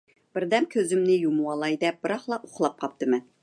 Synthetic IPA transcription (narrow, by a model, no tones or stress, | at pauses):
b̥ɪɾd̪ɛmkʲʰøzymnɪjumuwɑlˠɑjd̪ɛp̚b̥ɨɾɑχlˠɑʔoχlˠɑp̚qʰɑp̚t̪ɨmɪ